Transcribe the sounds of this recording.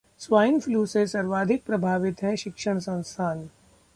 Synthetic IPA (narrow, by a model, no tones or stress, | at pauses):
sʋaːɪnfʰluːsesɐɾʋaːd̪ʱɪk̚pɾɐbʱaːʋɪt̪ɦɛʃɪkʃəɽ̃sɐ̃nst̪ʰaːn